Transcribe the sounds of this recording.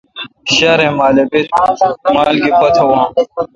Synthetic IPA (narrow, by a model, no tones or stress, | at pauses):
ɕaɾẽmaːlebit̪̚maːlɡipɐt̪ʰɐwãː